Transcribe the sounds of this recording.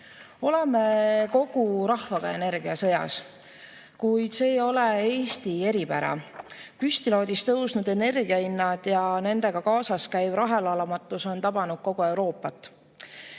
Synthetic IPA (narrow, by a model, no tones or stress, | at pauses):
o̞le̞me̞ko̞ɡ̥uɾɑhvɑɡ̥ɑe̞ne̞ɾɡiɑsɤ̞jɑ̰s | kujd̪se̞ːjo̞lee̞ːst̪ie̞ɾipæɾɑ̰pyst̪ilo̞ːd̪ʲist̪ɤwsnud̪e̞ne̞rɡiɑinːɑd̪̥jɑne̞nd̪e̞ɡ̥ɑkɑːsɑskæjvɾɑɦe̞lɑlɑmɑt̪ːˑuso̞nt̪ɑb̥ɑnud̥̪̚ko̞ɡ̥ue̞wɾo̞ːpːˑɑt̪ːˑ